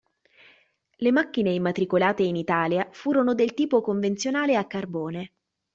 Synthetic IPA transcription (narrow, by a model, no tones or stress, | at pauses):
lemakːineimːat̪ɾikolaːt̪einit̪aːljafuːɾonod̪elt̪iːpokoɱvent̪sjonaːleakːarboːne